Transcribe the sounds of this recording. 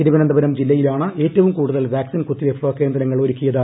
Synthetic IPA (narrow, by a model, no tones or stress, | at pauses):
iɾiʋɐnɐnd̪ɐbɐɾɐmd͡ʑilːɐjilaːɳɨe̞ːtːɐʋumkuːɽuðɐlʋaːksinkut̪ːiefroːke̞ːnd̪ɾɐɾɐŋːɐɭo̞ɾukʲːujɐðɨ